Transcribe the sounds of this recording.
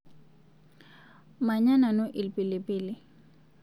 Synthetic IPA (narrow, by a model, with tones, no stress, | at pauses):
ma˨ɲa˦na˨no˦ʔɪ˨lpʼɪlɪpʼɪːlɪ